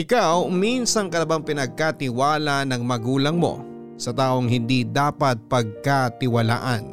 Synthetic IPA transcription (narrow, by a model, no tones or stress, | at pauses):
ʔɪkawminsɐŋkɐlɐbaŋpɪnɐɡ̚kat̪ɪwaːlanɐŋmɐɡuːlɐŋmo̞̰ | sɐt̪aːʔo̞ŋɦɪnd̪id̪aːpɐt̪̚pɐɡ̚kat̪ɪwɐla̰ːʔɐn